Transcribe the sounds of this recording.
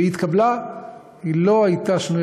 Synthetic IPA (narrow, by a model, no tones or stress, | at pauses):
it̪kabla | hilo̞ajt̪aʃnuj